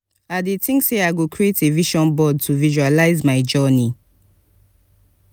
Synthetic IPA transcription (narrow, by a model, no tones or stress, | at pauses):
adetĩŋkseaɪɡokʰɹieteviʃɔ̃nbɔd̚tʰuviʒualaɪzmaɪd͡ʒɔni